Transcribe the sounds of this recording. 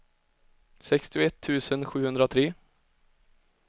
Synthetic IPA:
sɛkst̪ɪʊɛt̪ʰːʉ̟ːsənɧʉ̟ːhɵnd̪ɾat̪ʰɾeː

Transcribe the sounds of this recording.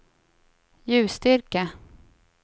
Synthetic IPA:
jʉ̟ːst̪ʏɾkə

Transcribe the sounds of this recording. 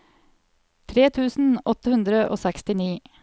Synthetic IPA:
t̪ʰɾeːt̪ʰʉːsn̩ɔt̪ːəhʉnd̪ɾəʔo̰ːsɛkst̪ɪniː

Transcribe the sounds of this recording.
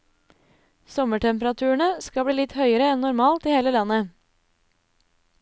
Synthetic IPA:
sɔməʈʰɛmpəɾɑt̪ʰʉːəɳəskɑbɽiːlɪt̪hœʏəɾəɛnnʊɾmɑːlt̪iːheːləlɑnə

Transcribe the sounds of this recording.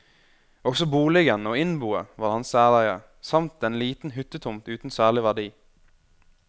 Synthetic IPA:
ɔɡsɔbuːlɪɡənoːɪnbuːə̰ʋɑːʁhɑnsæːlæɪə | sɑmt̪̚ɛnliːt̪n̩ɦʏt̪ət̪ʰʊmt̪ʉːt̪n̩sæːlɪʋæɖiː

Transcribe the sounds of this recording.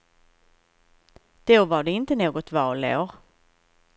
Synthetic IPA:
d̪̥ovaɖɛɪnt̪ənoːɡɔt̪vɑːleo̰ːɾ

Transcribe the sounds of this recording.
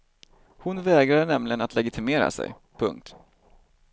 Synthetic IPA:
hʊnvɛːɡɾad̪ənɛmlɪɡənat̪lɛɡɪt̪ʰɪmeːɾa̰sɛ̰j | pʰɵ̰ŋk̚t̪

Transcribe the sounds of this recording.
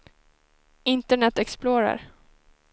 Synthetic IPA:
ɪnt̪əɳɛt̪ːɛksploːɾa̰ɾ

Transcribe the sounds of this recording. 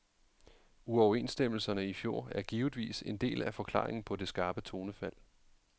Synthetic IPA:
uɒʊɐe̝̰ːnsd̥em̰l̩sɐnəifjo̝ɐ̰æɐɡ̥iːʊð̩ˠʋḭːse̝nd̥e̝̰ːlæfɒ̽kʰl̥ɑ̰̈ːʁeŋn̩pʰɒ̽de̝sɡ̥ɑ̈ːb̥ət͡sʰo̝ːnəfæl̰

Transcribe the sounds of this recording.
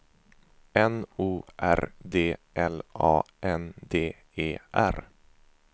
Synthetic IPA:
ɛnuːʔæ̰ɾd̪eːʔɛlʔɑ̰ːʔɛnd̪eː | eːʔæ̰ɾ

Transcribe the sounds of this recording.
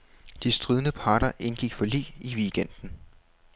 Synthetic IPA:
d̥isd̥ʁiðˠnəpʰɑ̈ːɾɐʔe̝nɡ̥iɡ̥fɒ̽lḭːiʋiːɡ̥en̰d̥n̩

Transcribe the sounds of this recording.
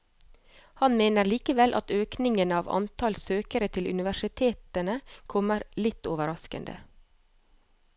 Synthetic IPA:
hɑnmeːnəɾɭiːkəʋɛlʔɑ̰t̪øːknɪŋənəɑːʋɑ̰nt̪ʰɑlsøːkəɾət̪ʰɪlʔʉ̰nɪʋæʃɪt̪ʰeːt̪ənəkʰɔməɾlɪt̪ːoːʋəɾɑskə̰nd̪ə̰

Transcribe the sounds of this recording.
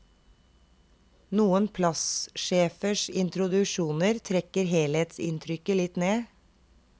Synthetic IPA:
nuːənpʰlɑsʃeːfəʃɪnt̪ɾʊd̪ʉʃuːnəɾt̪ʰɾɛkəɾheːleːt̪sɪ̰nt̪ʰɾʏkəlɪt̪neː

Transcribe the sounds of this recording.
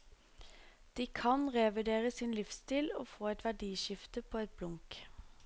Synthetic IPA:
d̪̥iːkʰɑnʁɛʋɪd̪eːʁəsɪːnlɪfst̪iːlo̰ːfoːɛt̪ʋæɖiːʃɪft̪əpʰoːɛt̪̚blʊŋk

